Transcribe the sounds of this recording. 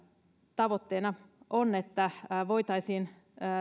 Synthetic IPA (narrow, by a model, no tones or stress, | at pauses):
t̪ɑʋot̪ːeːnɑʔonet̪ːæʋoit̪ɑisiːnː